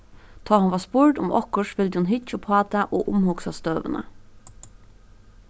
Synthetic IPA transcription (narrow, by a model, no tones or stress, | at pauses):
d̪̥ʰɑːhʊnʋɑːspʊɹɖʊ̰mʔɔ̰kəʃfɪld̪ɪhʊnɦʏt͡ʃəpʰɑːt̪ʰæʔoːʔʊmhʊksɑst̪øːʋə̰nə̰